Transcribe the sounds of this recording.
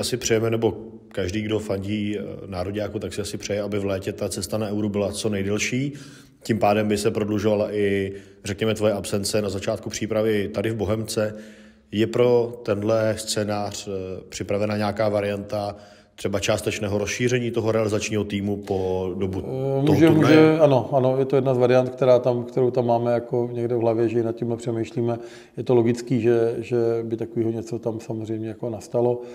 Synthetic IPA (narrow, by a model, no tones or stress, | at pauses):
asɪpr̝̥ɛjɛmɛnɛbo̞ | kaʒdiːɡdo̞faɲɟiːnaːɾoɟaːkut̪aksɪasɪpr̥ɛjɛabɪvlɛːcɛt̪at͡sɛst̪anaɛwɾubɪlat͡so̞nɛjdɛlʃiː | cɪmpaːdɛmbɪsɛpɾodluʒo̞valaʔɪ | rɛkɲɛmɛt̪vo̞jɛʔapsɛnt͡sɛnazat͡ʃaːt̪̚kupr̝̥iːpɾavɪt̪adɪvbo̞ɦɛmt͡sɛ | jɛpɾo̞t̪ɛndlɛst͡sɛːnaːr̝̥pr̥ɪpɾavɛnaɲeakaːvaɾɪjant̪a | t̪r̥ɛbat͡ʃaːst̪ɛt͡ʃnɛːɦoɾosʃiːrɛɲiːt̪oɦoɾɛalɪzat͡ʃɲiːɦot̪iːmupodobumuʒɛmuʒɛano̞ʔano̞jɛt̪ojɛdnazvaɾɪjant̪kt̪ɛɾaːt̪amkt̪ɛɾowt̪amːaːmɛjakoɲɛɡdɛvɦlavjɛʒɛɪnat̪̚cɪmlɛpr̥ɛmɛjʃliːmɛ | jɛt̪olo̞ɡɪt͡skiːʒɛʒɛbɪt̪akoviːɦoɲɛt͡so̞t̪amsamozr̝ɛjmɲɛjako̞nast̪alo̞